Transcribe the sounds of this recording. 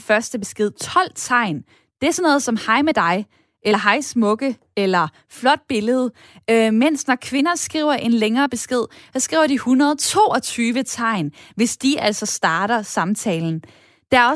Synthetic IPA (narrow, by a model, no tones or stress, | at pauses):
fɶɐsd̥əb̥e̝sɡ̥e̝ð̞̰ˠt͡sʰɒ̽l̰t͡sʰɑ̈ɪ̰n | d̥e̝æɐsɒ̽nɔ̽ːð̩ˠsɒ̽mhɑ̈ɪmed̥ɑ̈ɪ | ʔelɐɦɑ̈ɪsmɔ̽ɡ̥ə | elɐ | flɒ̽d̥̚b̥e̝ləð̞̩ˠ | ømen̰snɒkʰʋe̝nɐsɡ̥ʁḭʊɐʔe̝nleŋɐːb̥e̝sɡ̥e̝ð̞̰ˠhɒ̽sɡ̥ʁḭːʊɐd̥ihunɐðˠt͡sʰo̝̰ːɒ̽t͡sʰyːʋət͡sʰɑ̈ɪ̰nʋe̝sd̥iʔæl̰sɒ̽sd̥ɑ̈ːɾ̥ɐsɑ̈mt͡sʰɛːln̩ | d̥eæɐɒ̽